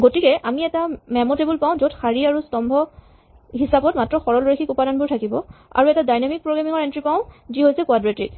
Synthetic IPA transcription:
ɡotikɛʔamiɛtamɛmɔtebulpaʊ̃zotxaɹiaɹustɔmbʱɔ | ɦisabɔt̚matɹɔxɔɹɔlɹexʰikupadanbʊɹtʰakibɔa̰ɹuɛtadajnamik̚pɹoɡamiŋɔɹɛntɹipaʊ̃ziɦojsɛkwadɹetɹḭk

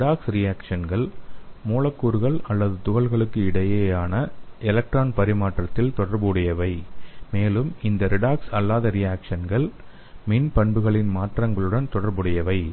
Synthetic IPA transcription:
ɪɽaːksɾɪjaːkʂɐnɡɐɭmoːlɐkːuːɾɣɐɭɐlːɐðɯt̪ʊɣɐɭɣɐɭɯkːɯɪɽɐjeːjaːnɐʔɛlɐk̚ʈraːnpɐɾɪmaːʈrɐt̪ːɪlt̪ɔɽɐɾbuːɽɪjɐʋɐɪmeːlɯmɪnd̪ɐɾɪɽaːksɐlːaːðɐɾɪjaːkʂɐnɡɐɭ | mɪnpɐɳbɯɣɐɭɪnmaːʈrɐŋɡɐɭɯɽɐnt̪ɔɽɐɾbɯɽɐjɐʋɐɪ

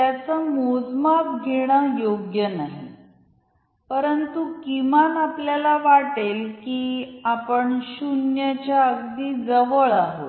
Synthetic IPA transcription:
t̪jat͡səmod͡zmap̚ɡʱeɽ̃ajoɡjənaɦḛ | pəɾənt̪ukimanapljalaʋaʈelkiːapəɳɕunjat͡ɕjaəɡd̪iːd͡zəʋəɭaɦo̰t̪

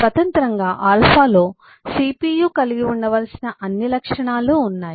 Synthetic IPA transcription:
sʋɐt̪ɐnt̪ɾɐŋɡaːʔaːlpʰaːlo̞ː | siːpiːjuːkɐliɡiuɳɖɐʋɐlɐsinɐʔɐnːilɐkʂɐɳaːluːnːaːji

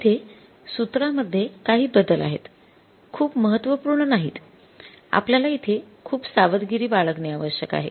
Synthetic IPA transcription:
it̪ʰe | sut̪ɾaməd̪ʱːjekaɦiːbəd̪əla̰ɦḛt̪ | kʰuːpməɦət̪ːʋəpuɾɳənaɦiːt̪ | a̰pljalait̪ʰekʰuːpsaʋəd̪ɡiɾiːbaɭəkneaʋəɕjəka̰ɦḛ

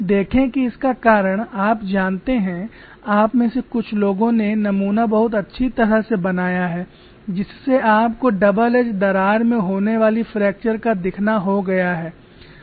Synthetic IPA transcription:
d̪eːkʰẽkiɪskakaːɾəɽ̃aːpd͡ʒaːnt̪eɦɛ̃ | aːpmẽsekʊt͡ʃʰloːɡõnenɐmuːnabɐɦʊt̪̬ɐtːʃʰit̪ɐɾəɦsebɐnaːjaɦɛː | d͡ʒɪsːeʔaːpkoɖɐbəled͡ʒd̪ɐɾaːɾmẽɦoːneʋaːlifɾɛːk̚t͡ʃəɾkad̪ɪkʰnaɦoɡɐjaɦɛː

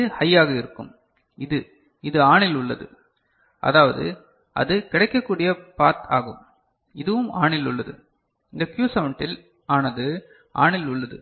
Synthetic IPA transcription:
hɐjːaːɣɐɪɾɯkːɯ̰m | ɪðɯ | ɪðɯaːɳɪlʊɭːɐðɯ̰ | ʔɐ̰ðaːʋɐðɯ̰ | ɐ̰ðɯkɪɽɐɪkːɐkːuːɽɪjɐpaːt̪ʰaːɣɯm | ɪðɯʋɯmaːɳɪlʊ̰ɭːɐðɯ̰ | ɪndɡ̪ɐkjuːsɐʋɐɳʈɪl | aːnɐðɯ | ʔa̰ːɳɪlʊɭːɐðɯ̰

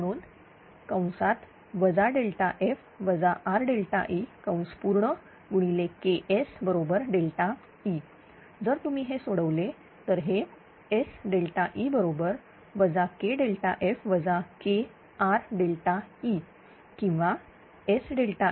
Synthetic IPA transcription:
əɽ̃uːn | kaw̃sat̪ | ʋəd͡zaɖelʈ̪aʔef | ʋəd͡zaʔaɾɖelʈ̪a̰ʔikãw̃spuɾɳə | ɡuɽ̃ilekeʔesbəɾobəɾɖelʈ̪a | i | d͡zəɾt̪umiːɦesoɽəʋle | t̪əɾɦe | esɖelʈ̪aʔibəɾobəɾ | ʋəd͡zakeɖelʈaʔefʋəd͡zake | aɾɖelʈai | kĩw̃ʋa | esɖelʈa

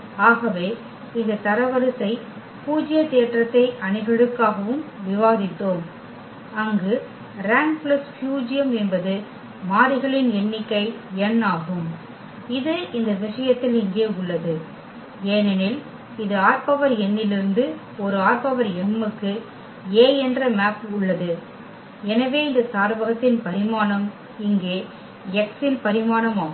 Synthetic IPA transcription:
aːɣɐʋeː | ɪnd̪ɐt̪ɐɾɐʋɐɾɯsɐɪ | puːd͡ʒɪjɐt̪eːʈrɐt̪ːɐɪʔɐɳɪɣɐɭɯkːaːɣɐʋɯmʋɪʋaːðɪt̪ːoːm | ɐŋɡɯ | ɾaːŋplɐsfjuːd͡ʒɪjɐmɛnbɐðɯ | maːɾɪɣɐɭɪnɛnːɪkːɐɪɛnːaːɣɯm | ɪðɯɪnd̪ɐʋɪʂɐjɐt̪ːɪlɪŋɡeːʊɭːɐðɯ | eːnɐnɪl | ɪðɯaːɾpɐʋɐɾɛnːɪlɪɾɯnd̪ɯ | ɔɾɯaːɾpɐʋɐɾɛmːɯkːɯ | eːɛndrɐmaːpʊɭːɐðɯ | ɛnɐʋeːɪnd̪ɐsaːɾʋɐɣɐt̪ːɪnpɐɾɪmaːnɐm | ɪŋɡeː | ɛksɪnpɐɾɪmaːnɐmaː

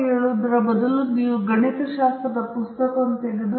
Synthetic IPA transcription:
ɦeːɭuːd̪ɾɐbɐd̪ɐluniuɡɐɳet̪ɐʃaːst̪ɾɐd̪ɐpust̪ɐkɐɐnt̪eɡid̪u

